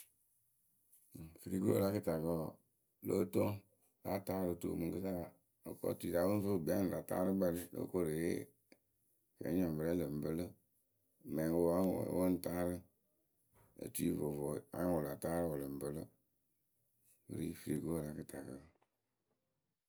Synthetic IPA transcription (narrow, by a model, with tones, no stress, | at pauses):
fi˨ɾi˨ɡu˦o̰˦la˦kɨ˦ta˨kɔ˦˨ | lo˦to˦ | la˦taː˦ɾo˨to̰˨mu˨ŋ˨ɡə˦sa˦˨ | o̰˨kɔ̰˦tu˦i˨ɾa˨˦wo˦n˦fo˦˨bi˨a˦n˨a˨ta̰˦ɾɨ˦ba˦ɾi˦lo̰˦ko˦ɾe˨jḛ˦ | kḛ˨˦ɲa˨m˨bə˨ɾɛ˦lɨ˨m̩˨bɨ˦lɨ˦˨ | mɛ˨wo˦a˦w̰wo˦n̩˦˨ta˦ɾɨ˦ | ə̰˨tu˦i˦vo˨vo˨a̰˨˦wo˨la˨taː˦ɾwo˨lɨ˨m̩˨bə˦lɨ˦ | bɨ̰˨ɾḭ˦fi˨ɾi˨ɡu˦o˦˨ɾa˨˦kɨ˦˨ta˨kə˨